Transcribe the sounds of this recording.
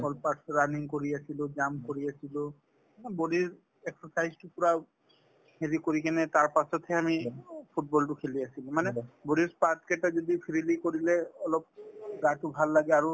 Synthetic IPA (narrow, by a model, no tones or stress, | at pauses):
bɔlpasɹaniŋkoɹiasilod͡ʒamkoɹiasilo | boɾiɹ | eksɔsajztupuɹa | hʰelikoɹikɛnɛt̪aɹpasɔt̪ʰɦɛamipʰuʈ̚bɔlʈukʰeliasilmanɛboɽiɹspatkɛʈazɔd̪ipʰiɹilikoɹilɛɔlɔp̚ɡaʈubʱalːaɡɛaɹu